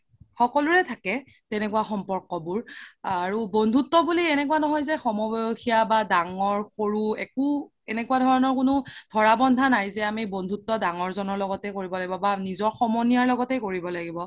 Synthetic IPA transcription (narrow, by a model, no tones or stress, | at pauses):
xɔkɔluɹɛtʰakɛ | tɛnɛkuwaxɔmpɔɹkɔbuɹaɹubondʱutːɔbuliɛnɛkuanɔɦɔjzɛxɔmɔbɔjoxijabadaŋɔɹxoɹuɛkʊ | ɛnɛkuwadʱɔɹanɔɹkʊnʊdʱɔɹabɔndʱanajzɛamibondʱutːɔdaŋɔɹzɔnɔɹlɔɡɔtɛkoɹibɔlaɡibɔbanizɔɹxɔmɔnijaɹlɔɡɔtɛjkoɹibɔlaɡibɔ